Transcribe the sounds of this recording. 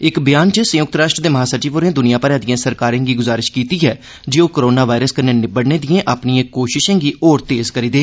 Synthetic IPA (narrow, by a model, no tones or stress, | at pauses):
ɪkbɪjaːnt͡ʃəsə̃jʊk̚t̪ɾaːʃʈɾəd̪eːməɦaːsət͡ʃiːpʊɾẽːd̪ʊnijãːpəɾãːd̪ijãːsəɾkaːɾẽːɡiːɡʊzaːɾɪʃkiːt̪iːɦɛː | d͡ʒeːoːkəɾoːnaːʋaːɪɾəskəɾneːnɪbəɽneːd̪ijẽːʔaːpniẽːkoːʃɪʃẽːɡiːʔɔːɾt̪eːzkəɾiːd̪eː